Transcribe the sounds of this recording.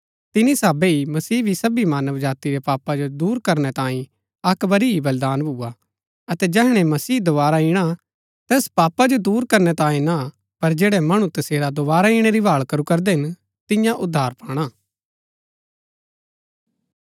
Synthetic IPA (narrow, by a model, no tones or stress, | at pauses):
t̪ɪnisaːbeimɐsiːbʱisɐbimaːnəʋd͡ʒaːt̪iɾɛpaːpad͡ʒod̪uːɾkɐɾñɛt̪ãːĩ | ɐkbɐɾiibɐld̪aːnbʱʊa | ɐt̪ɛd͡ʒɛːɦɽ̃ɛmɐsiːd̪oʋaːɾaĩːɽ̃a | t̪ɛːspaːpad͡ʒod̪uːɾkɐɾñɛt̪ãːĩna | pɐɾd͡ʒeːɽɛmɐɽ̃ũt̪ɐseːɾad̪oβaːɾaiːɽ̃eɾibʱaːɭkɐɾukɐɾd̪ɛɦɪn | t̪ɪjãʔʊd̪ʱːaːɾpaːɽ̃aː